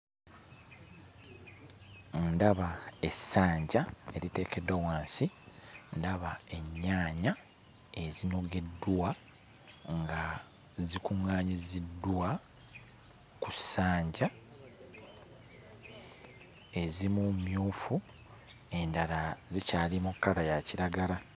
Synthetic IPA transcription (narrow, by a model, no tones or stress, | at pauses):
ndaβae̞sːaːɲɟae̞ɾite̞ːkʰe̞dːawaːnsindaβae̞ɲːaːɲa | e̞zino̞ɡe̞dːwa | ŋɡa | zikuŋːaːɲizidːwa | kusaːɲɟa | e̞zimumjuːfu | e̞ndalazicaːlimukːaɾajaciɾaɡaɾa